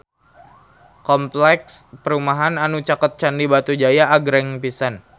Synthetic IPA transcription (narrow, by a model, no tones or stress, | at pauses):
kɔmplɛkspəɾumaɦananut͡ʃakət̪̚t͡ʃandibat̪ud͡ʒajaʔːɡɾɛŋpisan